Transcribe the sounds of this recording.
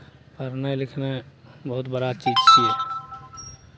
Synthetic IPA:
pəɾnelɪkʰnebəɦʊt̪bəɾat͡ʃiːd͡ʒt͡ʃʰie

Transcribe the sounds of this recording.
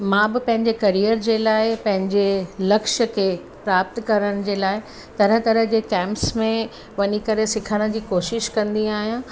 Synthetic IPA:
mãːbɪpɐ̃ɦɪ̃ɲd͡ʑekɐɾijəɾd͡ʑeːlaːɪpɐ̃ɦɪ̃ɲd͡ʑelɐkʃəkʰeː | pɾaːp̚t̪kɐɾəɽ̃d͡ʑeːlaːɪ | t̪ɐɾə̃t̪ɐɾəɦd͡ʑeːkɛ̃ːmpsmẽ | ʋɐɲikɐɾesɪkʰəɽ̃ə̆d͡ʑiːkoːʃɪʃkɐ̃nd̪iaːɦijãː

